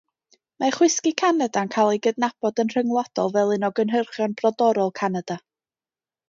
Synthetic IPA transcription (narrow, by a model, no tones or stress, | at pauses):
maχwɪskikʰanadankʰalˠiɡədnab̥ɔdənr̥əŋlˠɔd̥ɔlˠvɛlˠɨnɔɡənɦərχjɔnb̥rɔdɔɾɔlˠkʰanad̥a